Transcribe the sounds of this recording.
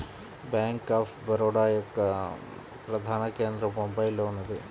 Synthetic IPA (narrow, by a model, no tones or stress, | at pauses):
baːŋkaːpʰbɐɾoːɽaːjɐkː | pɾɐd̪ʱaːnɐkeːnd̪ɾɐmombɐjloːnɐd̪e